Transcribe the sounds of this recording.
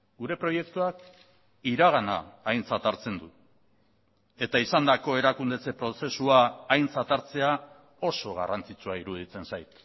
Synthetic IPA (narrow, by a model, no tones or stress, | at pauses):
ɡuɾe̞pɾo̞je̞k̚t̪uak | iɾaɣ̞ana̰ːjnt͡sat̪aɾt͡se̞nd̪u | e̞t̪aisand̪ako̞e̞ɾakund̪e̞t͡se̞pɾo̞se̞suaːjnt͡sat̪aɾt͡se̞a | o̞so̞ɣ̞a̰rant͡sit͡suaiɾuðit͡se̞nsajt̪